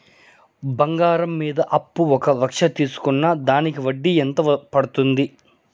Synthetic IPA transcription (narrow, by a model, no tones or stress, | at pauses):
bɐŋɡaːɾɐmːiːd̪ɐʔɐpːuɔkɐʋɐkʂɐt̪iːsu̥kunːɐd̪aːnikiʋɐɖːient̪ɐpɐɽut̪und̪i